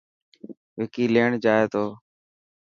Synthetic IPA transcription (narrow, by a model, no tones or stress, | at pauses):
ʋeːkiːleːɳd͡ʒaːeːt̪oː